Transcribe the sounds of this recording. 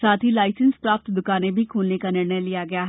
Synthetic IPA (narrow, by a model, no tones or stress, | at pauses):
saːt̪ɦiːlaːɪsənspɾaːpət̪d̪ʊkaːnẽːbʱiːkʰuːlneːkaːnəɽneːliːaːɡɪjaːɦ